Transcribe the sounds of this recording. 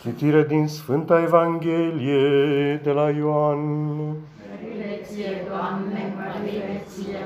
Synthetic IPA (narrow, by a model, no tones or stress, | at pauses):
kit̪iɾəd̪insfɨnt̪aevaŋɡʲelijed̪elajoan